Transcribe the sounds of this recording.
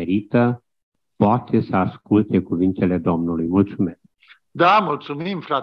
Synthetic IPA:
eɾit̪ə | poat̪ʰe̞səaskult̪e̞kuvint̪e̞le̞d̪o̞mnulujmult̪sume̞sk̚ | d̪amult̪sumimfɾa

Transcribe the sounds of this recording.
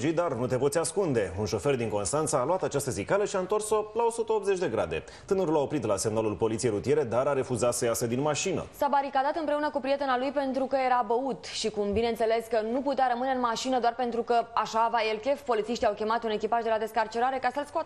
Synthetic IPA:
d͡ʒit̪̚d̪arnut̪e̞po̞t̪sʲaskund̪e̞unʃo̞fe̞rd̪iŋko̞nst̪ant̪səːloat̪at͡ʃast̪əzikaləʃiaɨnt̪o̞rso̞lao̞sut̪əop̪ze̞t͡ʃʲd̪e̞ɡɾa̰d̪e̞̰ | t̪ɨnəɾulao̞pɾit̪lasemnalulpo̞lit̪siejɾut̪ije̞ɾe̞d̪aɾaɾe̞fuzat̪səjased̪inmaʃinə̰sabaɾikad̪at̪ɨnpɾe̞unəkupɾije̞t̪e̞nalujpe̞nt̪ɾukəje̞ɾabəut̪ʃikumbine̞ɨnt̪se̞le̞skənuput̪eaɾəmɨneɨnmaʃinəd̪oarpe̞nt̪ɾukəaʃavaelkʲe̞fpo̞lit̪siʃt̪iawkʲe̞mat̪une̞kʲipaʒd̪e̞lad̪e̞skart͡ʃe̞ɾaɾe̞kasəlskoat̪

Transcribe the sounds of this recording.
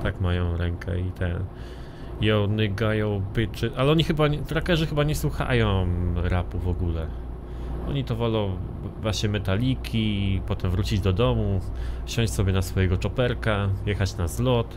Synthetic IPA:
t̪akmajɔ̃w̃ɾɛŋkʰɛ̰it̪ʰɛ | jɔnɘɡajɔ̃w̃pɘt͡ʂɘʔalɛɔɲixɘbafɾakɛʐɘxɘbaɲɛswuxa̰jɔ̃w̃ɾapuvɔɡulɛ | ɔ̰ɲit̪ɔvɔlɔ̃w̃ | vwaɕɲɛmɛt̪alʲikʲʰipɔt̪ɛmvɾut͡ɕid͡ʑd̪ɔd̪ɔmufɕɔ̃ɲ̃t͡ɕsɔbʲjɛnasfɔjɛɡɔt͡ʂɔpɛɾkajɛxat͡ɕnazlɔt̪

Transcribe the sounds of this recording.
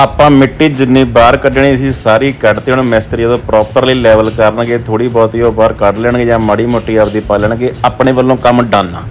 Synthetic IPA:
aːpãːmɪʈːiːd͡ʒɪnːiːbaːɾkəɖeɳ̃iːəsĩːsaːɾiːkəɖt̪eːɳ̃ːmɛst̪ɾiːəd̪õːpɾɔːpəɾliːlɛːʋəlkəɾənɡeːt̪ʰoːɽiːbɔːt̪iːoːbaːɾkəɽlɛːɳɡeːd͡ʒãːməɽiːmoːʈːiːaːd̪iːpaːləːɳɡeːaːpɳeːʋəlːõːkəmɖãːnːa̰ː

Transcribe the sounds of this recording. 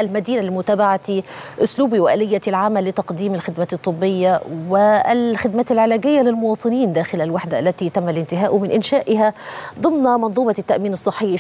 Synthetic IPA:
ʔalmad̪iːnalimʊt̪aːbaʕat̪iʔʊsluːbiwɪʔæ̰ːlɪjːat̪ilʕamːalːɪt̪ɑqd̪iːmɪlxɪd̪maːt̪ɨt̪ˤːɨbːɪjːawɪlxɪd̪maːt̪ɪlʕɪlæːɡɪjːalɪlmʊwɑːt̪ˤɨniːnd̪æːxɪlalwaħd̪aʔalːæt̪it̪amːalɪnt̪ɪɦaːʔʊmɪnʔɪnʃaːʔɪɦad̪ˤɨmnmɑnðˤuːmɑt̪ːaʔmiːnɨsˤːɨħːɪ

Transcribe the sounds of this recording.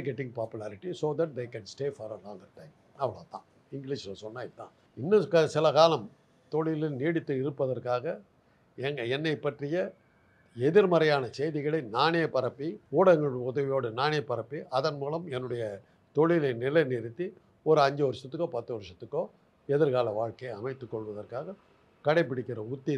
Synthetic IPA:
ɡɛʈ̬ɪ̃ŋɡ̚paːpɯlaːɾɪʈisoːðɐʈ̚d̪eɪkɛ̃nsʈeːfɔɾɐlɔːŋɐɾʈːɐɪm | ɐʋɐɭa̰ːt̪ã̰ː | ɪŋɡɪliʃsɔnːaːɪt̪ːã̰ː | ɪnːɐkɐsɪlɐkaːlɐm | t̪ɔɭɪlɪniːɽɯt̪ːɯɪɾɯpːɐðɐrkaːɣɐ | ɛŋɡɐɛnːɐɪpːɐʈrɪjɐ | ɛðɪɾmɐɾɐjaːnɐsɛjðɪɣɐɭɐɪnaːnɪjɐpːɐɾɐpːiuːɽɐŋɡɐɭʊðɐʋɪjoːɽɯnaːnɪjɐpːɐɾɐpːiʔɐðɐnmuːlɐmɛnːɯɽɐjɐ | t̪ɔɭɪlɐɪnɪlɐɪniːɽɯt̪ːi | ɔɾɯɐɲd͡ʒɐʋɔɾɯʂɐt̪ːɯkːoːpɐt̪ːɯʋɔɾɯʂɐt̪ːɯkːoː | ɛðɪɾkaːlɐʋaːɻkɐjɐmɐɪt̪ːɯkːɔɭʋɐðɐrkaːɣɐ | kɐɽɐɪpːɪɽɪkːɪrɐʊt̪ːɪ

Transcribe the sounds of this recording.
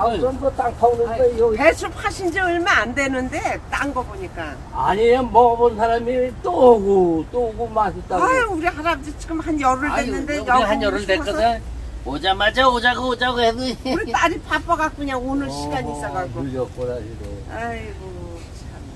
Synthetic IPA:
aʌmdʌt͈aŋpʰanɯpesʰɾup̚ʰaɕʰind͡ʑiɯɭmaandwe̞nɯnde̞t͈a̰ŋɡʌboɲik͈a | aɲianmʌbʌnsʰaɾamit͈oɡot͈oɡumasʰit͈aauɾihaɾabd͡ʑit͡ɕikɯmhanjʌɾɯɭwenːɯndejʌɦanjʌɾɯɭdeɯe | od͡ʑamad͡ʑʌod͡ʑaɡood͡ʑaɡoɦedɯuɾit͈aɾipʰap͈ʌɡak̚k͈uɲaonɯɾɕʰiɡaɲiːs͈ʌɡak͈ouʎʌk͈oɾad͡ʑidoajɡo | t͡ɕʰia

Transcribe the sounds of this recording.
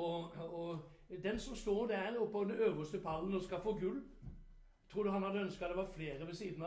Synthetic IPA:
ɔɔ | d̪ɛnsɔmst̪oːɾd̪æɾɔpːɑd̪ɛnøːʋəst̪əpʰɑlːnɔskɑlfoːɡʉlː | t̪ʰɾuːd̪əɦɑnhɑd̪əœnskəɑt̪d̪ɛʋɑɾfleːɾəʋɛsiːd̪n̩ɑ

